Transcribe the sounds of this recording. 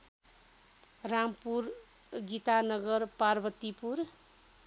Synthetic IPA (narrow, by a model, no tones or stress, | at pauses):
rampur | ɡit̪anʌɡʌrparbʌt̪ipur